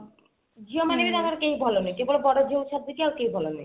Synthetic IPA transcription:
d͡ʑiomanebiɾamaɾkejbʱalonejkebolebɔɾad͡ʑewʃʰab̚d̪ikiawkejbʱalonej

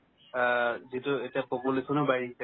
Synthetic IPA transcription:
zitʊetiapopulesɔnobaɹisɛ

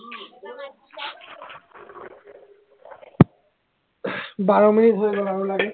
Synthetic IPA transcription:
baɹominitɦojbɔaɹʊlaɡɛ

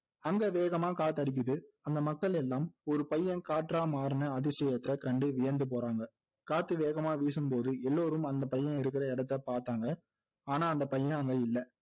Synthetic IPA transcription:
ɐŋɡɐʋeːɣɐmaːkaːt̪ɯɐɽɪk̬ʲːɯðɯɐnd̪ɐmɐkːɐɭɛlːaːmɔɾɯpɐjːɐ̃kaːʈɾaːmaːɾɯnɐɐðɪsɛjɐt̪ːɪɐkɪɾɐɳɖɯʋɪjɐɾnd̪ɯp̬oːɾaːŋɡɐ | kaːt̪ːɯʋeːɣɐmaːʋiːs̬ɯmpoːðɯɛlːoːɾɯmɐnd̪ɐpɐjːɐ̃ɪɾɯk̬ːɪɾɐɛɽɐt̪ːɐpaːɾt̪aːŋɡɐ | aːnaːɐnd̪ɐpɐjːɐ̃ɐŋɡɐɪlːɐ

